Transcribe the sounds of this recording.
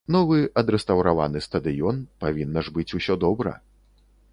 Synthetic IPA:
nɔvɨɐd̪ɾɛst̪ɐwɾava̰nɨst̪ɐd̪ɨjɔnpavʲinːɐʐbɨt͡sʲusʲɔd̪ɔbɾɐ̰

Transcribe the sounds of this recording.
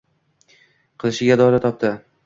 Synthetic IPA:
qʰɨlˠɪʃɪɡʲad̪ɒlat̪ʰɒp̚t̪ɪ

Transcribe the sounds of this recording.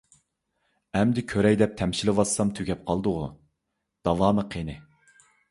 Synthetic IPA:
ɛmd̪ɪkʲʰøɾɛjd̪ɛp̚t̪ʰɛmʃilɨwɑsːɑmt̪ʰyɡʲɛp̚qʰɑlˠd̪ʊʁu | d̪̥ɑwɑːməqʰenɪ

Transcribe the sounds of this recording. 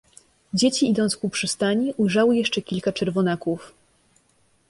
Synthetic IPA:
d͡ʑet͡ɕiid̪ɔnt̪skupʂɘst̪aɲiʔujʐawɘjɛʂt͡ʂɛkʲilkat͡ʂɛɾvɔnakuf

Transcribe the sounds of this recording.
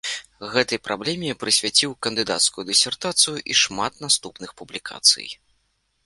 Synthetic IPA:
ɣɛt̪ɐjpɾʔablʲɛmʲjɛpɾɨsʲvʲat͡sʲiwkɐnd̪ɨd̪a̰t̪skujud̪ɨsʲɛrt̪at̪sɨjuʔiʂmat̪nast̪upnɨxpublʲikʰa̰t̪sɨ̰j

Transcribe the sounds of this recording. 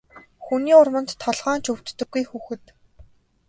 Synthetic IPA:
xuniːʊrmə̆nt̪ʰːɔɮʁaːnt͡ɕʰɵw̥t̪ːɵ̆ɡːujxuːxɘ̆t̪

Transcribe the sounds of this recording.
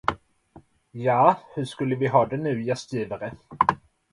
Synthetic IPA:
jɑːhɵʂkɵlːəvɪɦɑːd̪ɛnʉ̟ːjɛst̪jiːvaɾə

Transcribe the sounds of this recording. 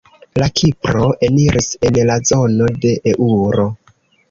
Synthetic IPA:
lakʰipɾo̞ʔe̞niɾʔise̞nlazo̞no̞de̞ʔeʔuɾo̞

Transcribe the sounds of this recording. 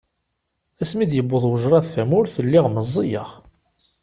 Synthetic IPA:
æsmid̪jəbːʊðˤwəʒɾˤɑðθæmʊɾθəlːɪʁməzˤːijəʁ

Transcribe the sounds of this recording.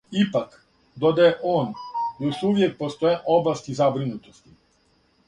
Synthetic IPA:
ipak | d̪od̪aeʔoːnjoʃuʋjek̚post̪ojeʔoblˠast̪izabɾinut̪ost̪i

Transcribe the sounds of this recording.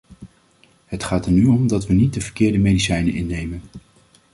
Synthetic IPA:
ɦətχaːtənyɔmdɑtʋənit̚dəvəɹkɪːɹdəmejdisɛjnənʔɪnːejmən

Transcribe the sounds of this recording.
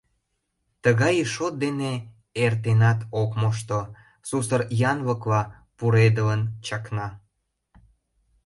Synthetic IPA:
t̪əɣɑjəʃot̪̚d̪ene | ert̪enɑt̪okmoʃ̬t̪o | susəɾjɑnβəkβɑ | puɾed̪ələnt͡ɕɑknɑ

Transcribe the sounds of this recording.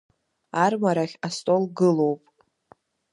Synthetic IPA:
armaɾaχʲastʼo̞lɡɨlo̞wpʼ

